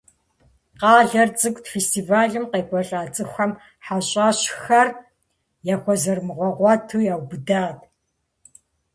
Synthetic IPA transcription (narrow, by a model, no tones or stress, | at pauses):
qɑːɮɐrt͡sʼɨkʷʼtfestʰivaːɮɨmqeːkʷʼɔɬʼaːt͡sʼɨxʷɐm | ħaɕʼaːɕxɐr | jaːxʷɔzɐrmɨʁʷɔʁʷɑtʰuːjaːwbɨdaːtʰʼ